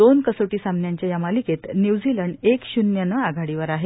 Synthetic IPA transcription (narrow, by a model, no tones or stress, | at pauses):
onkəsoʈiːsamnjaɲt͡ɕjajamaliket̪njiʋd͡ziləɳɖekɕunjənəaɡʱaɽiʋəɾaɦe